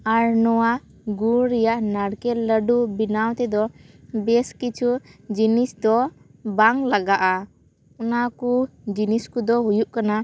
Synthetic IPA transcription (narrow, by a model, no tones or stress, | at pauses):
aɾnɔwa | ɡuɾɾɛjaʔnaɽkɛləɖubinawt̪ɛd̪ɔ | bɛskit͡ʃʰud͡ʒinisd̪ɔ | baŋlaɡaʔa | unakud͡ʒiniskud̪ɔɦujuʔkana